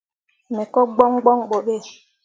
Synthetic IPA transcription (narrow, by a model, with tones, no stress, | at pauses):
me˨kɔ˦ɡ͡bɔ˦ŋ˦ɡ͡bɔ˦ŋɓo˨ɓe˦˨